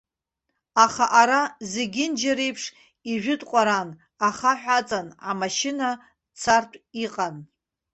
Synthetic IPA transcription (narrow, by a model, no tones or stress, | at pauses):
aχaʔaɾazeɡʲɪnd͡ʒaɾejpʰʂ | iʒᶣʊdʼqʷʼaɾan | aχaħʷᶣat͡sʼanamaʃɪna | t͡sʰartʷʰʼiqʼan